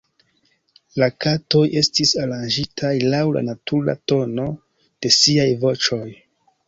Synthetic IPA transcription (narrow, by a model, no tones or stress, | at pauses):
lakato̞je̞stisaɾand͡ʒitʰajlawla̰natuɾa̰to̞no̞ | d̥e̞siajvo̞t͡ʃo̞j